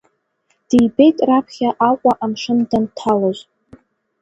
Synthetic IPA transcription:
d̥ejbe̞jtʼrapʰχʲaʔakʷʼaʔamʂɨndantʰaloʒʷ

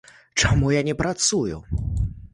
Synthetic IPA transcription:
t͡ʂamujanʲɛpɾat̪sujṵ

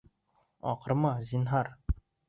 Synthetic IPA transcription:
ɒ̰qɤ̆ɾmɑzʲinɦɑɾ

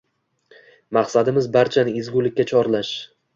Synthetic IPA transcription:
maqsad̪ɪmɪzbaɾt͡ʃʰanɪezɡʲulɪkʲːat͡ʃʰɒɾlaʃ

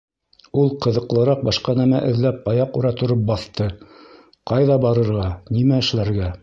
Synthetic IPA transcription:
ulˠqɤ̆ðɤ̆qlˠɤ̆ɾɑq̚bɑʃqɑnæmæ̰ʔɘ̆ðlæp̚ɑjɑquɾɑt̪ŏɾop̚bɑθt̪ɤ | qɑjðɑbɑɾɤ̆ɾʁɑnimæɘ̆ʃlæɾɡæ

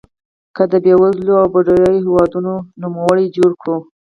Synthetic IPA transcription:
kəd̪əbewazloawbaɖaɾajohewɑd̪unonumawəɽid͡ʒoɽkɽo

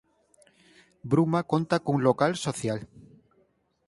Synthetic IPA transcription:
bɾumakont̪akoŋlokalsoθjal

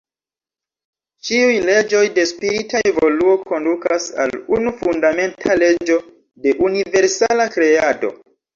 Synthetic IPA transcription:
t͡ʃiujle̞d͡ʒo̞jde̞spiɾitʰae̞vo̞luo̞ko̞ndukasa̰lunufundame̞ntʰale̞d͡ʒo̞ | de̞ʔunive̞ɾsalakɾe̞ado̞̰

